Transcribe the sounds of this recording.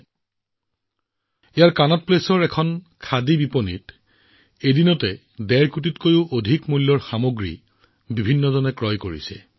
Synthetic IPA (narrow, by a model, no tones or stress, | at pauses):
ejaɹkanɔt̚plesɔɹɛkʰɔn | kʰadibipɔnḭt | edinɔtɛ | dɛɹkutitkojʊʔodʱikmulːɔɹxamoɡɹḭ | bibʱinːɔzɔnɛkɹɔjkoɹḭsɛ̰